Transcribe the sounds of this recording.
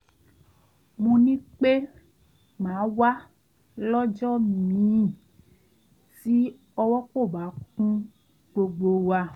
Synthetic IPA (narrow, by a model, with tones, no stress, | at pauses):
mũ˧nĩ˦k͡pe˦ | ŋ͡mã˨˦wa˦ | lɔ˦d͡ʒɔ˦mĩ˨˦˨ | si˦ | ɔ˦wɔ˦k͡po˦˨ba˨˦kũ˦ | ɡ͡bo˨ɡ͡bo˨wa˧